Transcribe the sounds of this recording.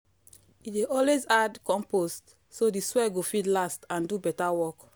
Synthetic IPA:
ideʔɔlwezadkɔ̃mpost | sodiswɛɡofidlastãndubɛtawɔk

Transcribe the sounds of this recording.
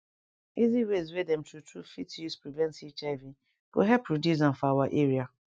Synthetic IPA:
iziwezwedɛ̃mtʰutɹufitjuspɾivɛ̃ntit͡ʃavĩ | ko̰ɦɛpʰːɾodjizãnfawaʔeɾia

